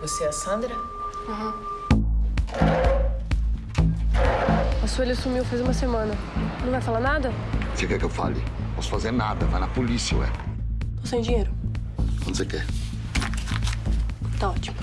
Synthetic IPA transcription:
voseɛsɐ̃nd̪ɾɐ | aɦɐ̃ | asuelɐsumiwfejzũmɐsemɐ̃nɐ | nɐɐ̃w̃vajfalaɾnad̪ɐ | sewkɛkewfa̰lɪ̰pɔsʊ̥fazeɾnad̪ɐvajnɐpolisiɐ̰ɛ̰t̪osẽd͡ʒĩɲejɾʊ | kwɐ̃nd̪sekɛ | t̪aɔt͡ʃimʊ

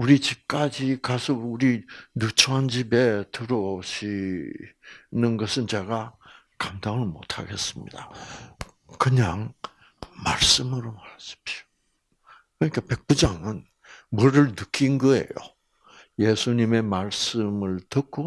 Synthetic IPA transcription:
uɾit͡ɕip̚k͈ad͡ʑikasʰʌuɾinut͡ɕʰoɦand͡ʑibe̞tɯɾoɕi | nɯnɡʌsʰɯnt͡ɕeɡa | kamdaŋɯɭmo̰tʰa̰ɡe̞s͈ɯmɲḭda | kɯɲaŋ | ma̰ɭs͈ɯmɯɾomaɾaɕi̥p̚ɕio̥ | kɯɾɲik͈ʰape̞k̚p͈ud͡ʑaŋɯn | mʌɾɯɭnɯk͈ʰinɡʌe̞̰jo̰ | je̞sʰuɲime̞maɭs͈ɯmɯɭtɯk͈ʰo

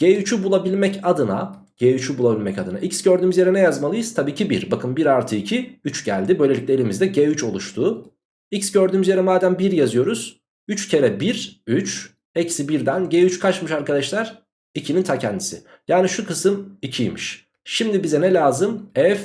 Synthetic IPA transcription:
ɟ̥eːyt͡ʃʰybulˠabilʲmɛcad̪ɯna | ɟ̥eːyt͡ʃʰybulˠabilʲmɛcad̪ɯna̰ʔicsɟøɾd̪yːmyzjeɾɛnɛjazmalˠɯjɯz̥t̪ʰabiːcʰibiɾbakʰɯnbiɾaɾt̪ʰɯicʰiyt͡ʃɟæ̰lʲd̪ibø̞jlʲeiclʲe̞lʲimizd̪ɛɟeːyt͡ʃo̞lˠuʃt̪ʰuː | icsɟøɾd̪yːmyzjeɾɛmaːd̪ænbiɾjazɯjo̞ɾuz̥ | yt͡ʃcʰe̞ɾɛbiɾyt͡ʃ | ɛcsibiɾd̪ænɟeːyt͡ʃkʰat͡ʃmɯʃaɾkad̪aʃlˠaɾ̥ | icʰinint̪ʰacʰɛnd̪isɪ̰ | jaːniʃukʰɯsɯmicʰijmḭʃ | ʃimd̪ibizɛnɛlʲaːzɯmɛf

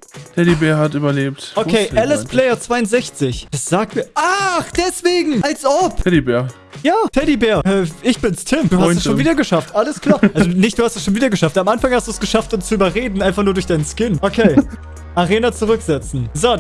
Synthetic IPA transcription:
tʰɛdibɛːɐhatʔyːbɐleːp̚tokʰeːɛlɛspʰlɛɪɐt͡sv̥aɪʊnz̥ɛçt͡sɪçd̥asz̥aːk̚tmiːɐʔaχd̥ɛsv̥eːɡŋ̩ʔalsɔpʰɛdibɛːɐ | jaːtʰɛdibɛːɐɛʔɪçb̥ɪnstʰɪmd̥uːhastɛsʃonviːdɐɡəʃaftʔaləskʰl̥aːɐʔalzonɪçtd̥uːhastɛsʃoːnviːdɐɡəʃaftamʔanfaŋhastd̥uːsɡ̥əʃaftʊnst͡suʔyːbɐʁeːdn̩ʔaɪnfaχnuːdʊɐçd̥aɪnənskɪnʔokʰeː | ʔaʁeːnat͡suʁʏkz̥ɛt͡sn̩zoː

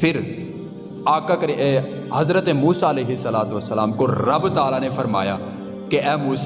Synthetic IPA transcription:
fʰɪɾ | aːkakɐɾiɛː | hɐzɾət̪emuːsaɐleːɦɪsːɐlaːt̪ʋɐsːɐlaːmkoɾɐbt̪aːlanefɐɾma̰ːja̰ | keʔɛːmuːs

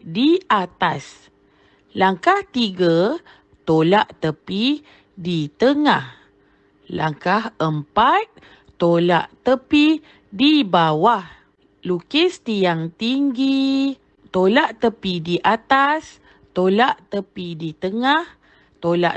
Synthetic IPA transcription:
diat̪as | laŋkaht̪iɡə | t̪olaʔt̪əpi | dit̪əŋah | la̰ŋkahəmpat̪̚ | t̪ola̰ʔt̪əpi | dibawah | lukɪst̪ijaŋt̪iŋɡi | t̪olaʔt̪əpidiʔat̪as | t̪olaʔt̪əpidit̪əŋah | t̪ola̰ʔ

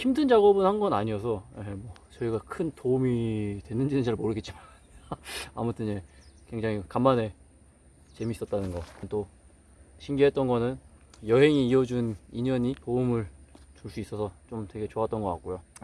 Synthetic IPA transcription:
çimdɯnd͡ʑaɡʌbɯnhanɡʌnaɲijʌsʰʌemwʌt͡ɕʌiɡakʰɯntoumitwe̞nːɯnd͡ʑinɯnd͡ʑaɾɯɭmoɾɯɡett͡ɕ͈iman | a̰mutʰɯne̞kwe̞ŋd͡ʑaŋikamːane̞ | t͡ɕe̞miːs͈ʌt̚t͈anɯnɡʌnt͈o | ɕʰimɡiɦe̞t͈̚ʌnɡʌnɯn | jʌɦe̞ŋiːʌd͡ʑuniɲʌɲipoumɯɭt͡ɕuɭs͈uis͈ʌsʰʌt͡ɕomtwe̞ɡe̞t͡ɕoat͈ʌnɡʌk͈a̰k͈̚ojo

